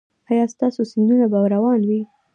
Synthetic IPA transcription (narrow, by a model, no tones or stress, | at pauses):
ɑjɑst̪ɑsosɪndunabawɾawɑnwi